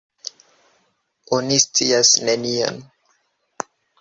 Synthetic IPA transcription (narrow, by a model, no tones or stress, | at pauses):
onist͡siasnenio̰n